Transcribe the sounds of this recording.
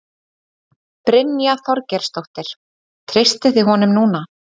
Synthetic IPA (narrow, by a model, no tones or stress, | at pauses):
pɾɪnːjaθɔɾcɛɾ̥st̪owht̪ɪɾ̥ | t̪ʰɾɪst̪ɪθɪɦɔnʏmnuːna